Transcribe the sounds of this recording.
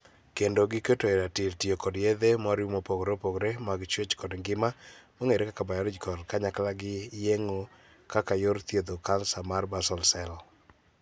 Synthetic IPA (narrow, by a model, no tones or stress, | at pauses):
kendoɡɪketoeɾatiltiokɔdjed̪emaɾjumopoɡɾopoɡɾemaɡt͡ʃwet͡ʃkɔdŋɡɪmamoŋeɾekakabajɔɾɪd͡ʒkɔdkaɲaklaɡɪjeŋo | kakajoɾt̪jed̪okansamarbasɔlsɛlɔ